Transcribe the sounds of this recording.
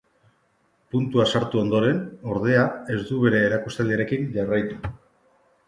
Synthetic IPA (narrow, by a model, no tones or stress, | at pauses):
punt̪uasaɾt̪uo̞nd̪o̞ɾe̞no̞ɾð̞e̞ae̞zd̪uβ̞e̞ɾe̞ːɾakust̪ald̪iaɾe̞kiɲʝarajt̪u̥